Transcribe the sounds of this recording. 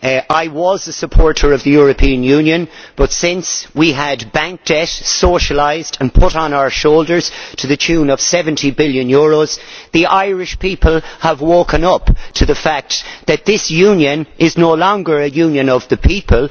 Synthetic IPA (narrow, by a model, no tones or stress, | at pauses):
ʔaɪwʌzəsəpʰɔɹɾə˞ʌvðɨjʊɹɨpʰĩɨ̃njʉ̃njɨ̃nb̥ʌtsɪ̃nswiədbæ̃ŋk̚d̥ɛtsoʊʃəlaɪzdə̃npʰʊɾn̩aʊə˞ʃoʊlˠdə˞z̥tʰɨðɨt͡ʃʰʉ̃ːnʌv̥sɛvə̃ntʰibɪlˠjɨ̃njɔɹoz̥ðiʔaɪɹɪʃpʰipʰəlˠəvwoːkə̃nʌptʰɨðəfæk̚t̪ðɨt̪̚ðɪsjʉ̃njɨ̃nʔɪznoʊlɔ̃ŋɡə˞ɨjʉ̃njɨ̃nʌvðɨpʰipʰəlˠ